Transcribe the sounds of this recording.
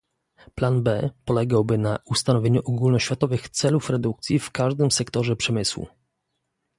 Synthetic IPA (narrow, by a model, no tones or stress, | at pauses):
planbɛpɔlɛɡawbɘnaust̪anɔvʲjeɲuʔɔɡulnɔɕfʲjat̪ɔvɘxt̪sɛlufɾɛd̪uk̚t̪sʲjifkaʐd̪ɘmsɛkt̪ɔʐɛpʂɛmɘswṵ